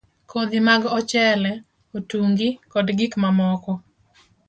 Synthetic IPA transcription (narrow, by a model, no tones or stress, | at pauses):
kʰod̪imaɡɔt͡ʃɛlɛ | otuŋɡikɔdɡikmamɔkɔ